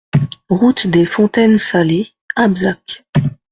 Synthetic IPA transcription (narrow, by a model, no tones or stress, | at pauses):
ʁut̪d̪efɔ̃t̪ɛnsale | abzak